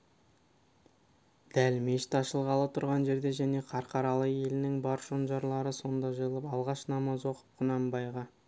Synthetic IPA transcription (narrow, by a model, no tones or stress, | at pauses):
d̪̥ælme̞ʃɪt̪ɑʃəlˠʁɑlˠət̪ʰʊɾʁɑnʒe̞ɾd̪e̞ʒæne̞qʰɑɾqʰɑɾɑlˠəe̞lɪnɪŋbɑɾʒonʒɑɾlˠɑɾəso̞nd̪ɑʒəjəlˠəpɑlˠʁɑʃnɑmɑzwo̞qə̥p̚qʰʊnɑmbɑjʁɑ